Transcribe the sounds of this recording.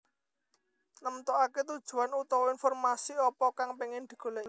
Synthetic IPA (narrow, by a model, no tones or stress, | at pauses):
nəmt̪ɔʔaket̪ud̥ʒ̥ṳanut̪ɔwɔinfɔrmasiɔpɔkaŋpeŋɪnd̪̥i̤ɡ̥o̤le